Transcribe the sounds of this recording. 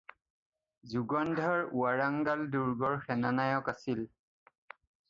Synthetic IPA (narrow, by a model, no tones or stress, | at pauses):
zuɡɔndʱaɹuaɹaŋɡalduɹɡɔɹxɛnanajɔkasil